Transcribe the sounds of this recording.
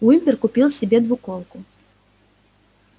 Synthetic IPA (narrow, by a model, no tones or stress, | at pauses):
wimʲpʲɛrkʊpʲilˠsʲɛbʲɛd̪vukɔlˠkʊ